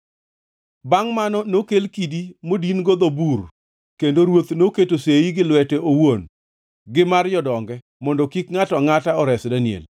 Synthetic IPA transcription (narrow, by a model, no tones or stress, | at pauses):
baŋmanɔnokelkidimodinɡod̪obur | kendoɾwot̪noketoseiɡɪlwɛtɛowon | ɡɪmard͡ʒɔdɔŋɡɛ | mɔndɔkikŋatɔŋataɔɾɛsdanɪḛl